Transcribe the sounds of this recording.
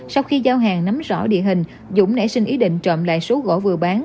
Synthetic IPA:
sa˧wxi˧zaː˧wɦaː˨˩ŋna˨˦mzɔ̰˧˩ɗḭ˧˨əɦï˨˩ŋ̟ | zʊ̰˧˥ŋ͡mnɛ̰˧˥sï˧ŋ̟ʔi˨˦ɗḭ̈˧˨ŋ̟t͡ɕɔ̰˧˨mla̰ː˧˨jso˨˦ɣo̰˧˩vɨ˨˩əɓaː˨˦n

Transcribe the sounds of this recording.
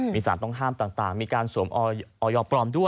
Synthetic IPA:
miː˧saː˩˦nt̪ɔ˥˩ŋɦaː˥˩mt̪aː˨˩ŋt̪aː˨˩ŋmiː˧kaː˧nsuː˩˦mʔɔː˧ʔɔː˧jɔː˧pɾɔː˧mdu˥˩ə

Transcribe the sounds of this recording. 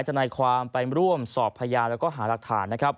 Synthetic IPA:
jt͡ɕʰa˧naː˧jkʰwaː˧mpa˧jɾu˥˩əmsɔː˨˩pʰːaː˧jaː˧nɾɛː˦˥wkɔː˥˩ɦaː˩˦la˨˩k̚t̪ʰa̰ː˩˦nːa˦˥kʰɾa˦˥p̚

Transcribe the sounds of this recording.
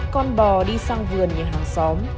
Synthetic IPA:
kɔ˧nɓɔ˨˩ɗi˧saː˧ŋvɨ˨˩ənɲɨ̰˨˩ŋɦaː˨˩ŋsɔ˨˦m

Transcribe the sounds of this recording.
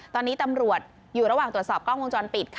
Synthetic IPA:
t̪ɔː˧nːiː˦˥t̪a˧mɾu˨˩ət̪̚ | juː˨˩ɾa˧waː˨˩ŋɾu˨˩ət̪sɔː˨˩p̚kʰaː˥˩wo˧nt͡ɕɔː˧npi˨˩t̪̚kʰ

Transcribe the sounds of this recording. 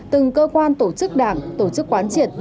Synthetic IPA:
t̪ɨ˨˩ŋkəː˧kwaː˧nt̪o˧˩t͡ɕɨ˦˥k̚ɗaː˧˩ŋt̪o˧˩t͡ɕɨ˦˥k̚kwaː˨˦nt͡ɕi˧˨˩ət̚

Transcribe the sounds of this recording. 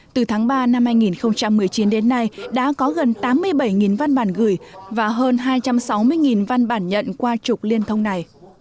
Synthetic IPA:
t̪ɨ˨˩t̪ʰaː˨˦ŋɓaː˧na˧mhaː˧jŋi˨˩nxə˧wŋ͡mt͡ɕa˧mːɨ˨˩əjt͡ɕi˨˦nɗe˨˦nːa˧jɗa̰ː˧˥kɔ˨˦ɣə˨˩nt̪aː˨˦mːɨ˧əjɓə˧˩jŋi˨˩nva˧nɓaː˧˩nɣɨ˧˩jvaː˨˩ɦəː˧nɦaː˧jt͡ɕa˧msa˨˦wmɨ˧əjŋi˨˩nva˧nɓaː˧˩nɲə̰˧˨nkwaː˧t͡ɕʊ˨˩k͡p̚li˧ənt̪ʰə˧wŋ͡mna˨˩j

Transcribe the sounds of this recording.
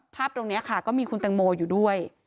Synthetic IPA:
pʰːaː˥˩p̚t̪o˧ŋni˦˥ɐkʰa˥˩kɔː˥˩miː˧kʰu˧nt̪ɛ˧ŋmoː˧juː˨˩du˥˩əj

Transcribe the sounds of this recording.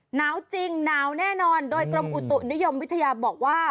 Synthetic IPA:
naː˦˥wt͡ɕi˧ŋnaː˦˥wnɛː˥˩nɔː˧ndoː˧jkɾo˧mʔu˨˩t̪u˨˩ʔni˦˥jo˧mwi˦˥t̪ʰːa˧jaː˧bɔː˨˩k̚waː˥˩

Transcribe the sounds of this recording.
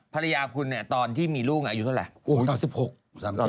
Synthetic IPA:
pʰa˧la˧jaː˧kʰu˧nːi˥˩t̪ɔː˧nt̪ʰiː˥˩miː˧luː˥˩k̚aː˧juː˨˩t̪ʰːla̰˨˩ʔaː˨˦msi˨˩p̚ho˨˩k̚saː˨˦˨

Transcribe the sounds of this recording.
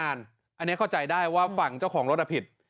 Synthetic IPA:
aː˧n | a˧nːi˦˥ɐkʰa˥˩t͡ɕa˧jdaː˥˩jwaː˥˩fa˨˩ŋt͡ɕa˥˩wkʰɔː˩˦ŋɾo˦˥t̪̚a˧pʰi˨˩t̪̚

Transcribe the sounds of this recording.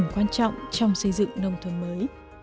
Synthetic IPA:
nkwaː˧nt͡ɕɔ̰˧˨wŋ͡mt͡ɕɔ˧wŋ͡msə˧jzɨ̰˧˨ŋnə˧wŋ͡mt̪ʰə˨˧˦nməː˨˦j

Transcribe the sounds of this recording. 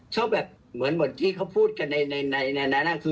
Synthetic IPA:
t͡ɕʰɯ˥˩bɛː˨˩p̚ | mɯ˩˦ənmɯ˩˦ənt̪ʰiː˥˩kʰa˥˩wpʰuː˥˩t̪̚ka˧nːa˧jna˧jna˧jna˧naː˦˥naː˥˩kʰɯː˧

